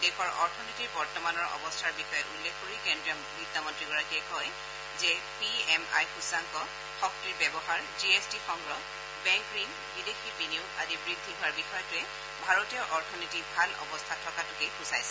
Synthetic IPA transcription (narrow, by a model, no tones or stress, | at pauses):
dekɔɹʔɔɹtʰɔnitiɹbɔɹtɔmanɔɹɔ̰bɔstʰaɹbixɔjɔʔṵlːekʰkoɹikɛndɹiɔ | nidamɔntɹiɡɔɹakiɛkɔj | zɛpiɛma̰jxusaŋkɔ | xɔk̚tiɹbɛbɔɦaɹd͡ʒiestixɔŋɡɹɔ | bɛŋkɹin | bidexipiniʊazibɹiɡ̚dʱikʰaɹbixɔjɔtʊɛ | bʱaɹɔtijɔʔɔɹtʰɔnitibʱalɔ̰bɔstʰatʰɔkatʊkebusajsɛ̥